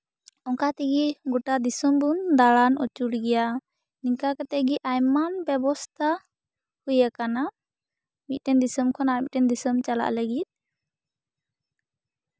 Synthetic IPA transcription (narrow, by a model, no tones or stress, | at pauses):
ɔŋkat̪iɡiɡɔʈad̪isɔmbund̪aɽanʔɔt͡ʃuɽɡɛja | niŋkakɛt̪ɛʔɡiʔajmanbɛbɔst̪ʰa | hujakana | mit̪̚ʈɛnd̪isəmkʰɔnamit̪̚ʈɛnd̪isəmt͡ʃala̰ʔləɡit̪̚